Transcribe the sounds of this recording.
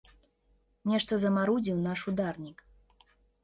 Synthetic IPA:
nʲɛʂt̪ɐzɐmaɾud͡zʲiwnaʂud̪arnʲik

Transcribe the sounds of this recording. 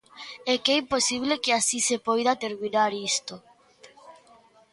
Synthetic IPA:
ɛkɛimposiβ̞lekeasisepojðat̪eɾminaɾist̪o

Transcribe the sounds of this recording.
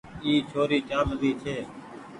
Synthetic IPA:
iːt͡ʃʰoːɾiːt͡ʃaːmziːt͡ʃʰeː

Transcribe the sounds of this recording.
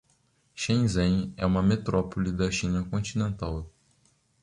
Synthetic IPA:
ʃẽj̃zẽjɛ̰ũmɐmet̪ɾɔpolid̪ɐʃĩnɐkõt͡ʃinẽnt̪aw

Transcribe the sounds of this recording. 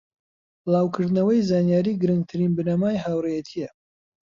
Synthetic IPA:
b̥ɨlˠaːwkʰɨɾd̪nɐwɐjzaːnjaːɾiɡɨɾɨŋɡt̪ʰɨɾinbɨnɐmaːjɦaːwrejɛt̪ʰijɛ

